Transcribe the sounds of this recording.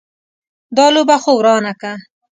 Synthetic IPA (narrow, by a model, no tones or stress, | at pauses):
d̪ɑlobaxowɾɑnaka